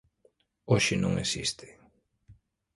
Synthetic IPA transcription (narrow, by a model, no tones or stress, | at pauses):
oʃɪnõ̰ŋḛsḭst̪ʰɪ̥